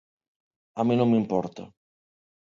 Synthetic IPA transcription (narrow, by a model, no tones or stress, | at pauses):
aminõmːimpɔɾt̪a̰